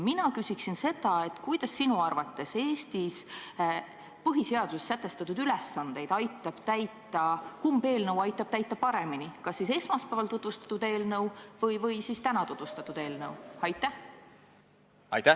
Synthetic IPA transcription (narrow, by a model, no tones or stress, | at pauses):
minɑkysʲiksinse̞d̪ɑe̞t̪ˑkujd̪̥ɑsːinuɑrvɑt̪ːˑe̞se̞ːst̪is | pɤɦise̞ɑd̪̥ussæt̪ːˑe̞st̪ɑt̪ːˑud̪̥ylesːɑnd̪̥e̞jd̪̥ɑjt̪ːˑɑb̥t̪æjt̪ːˑɑkumbe̞ːlnɤwɑjt̪ːˑɑb̥̚t̪æjt̪ːˑɑpɑɾe̞minikɑsːise̞smɑspæːvɑlt̪ut̪vust̪ɑ̥t̪ːˑud̪e̞ːlnɤwvɤjvɤjsist̪ænɑt̪ut̪vust̪ɑt̪ud̪e̞ːlnɤwɑjt̪ːæh | ɑ̰jt̪æ